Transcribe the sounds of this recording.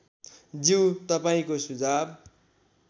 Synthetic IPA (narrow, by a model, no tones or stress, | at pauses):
d͡ziwt̪ʌpaĩkosud͡zab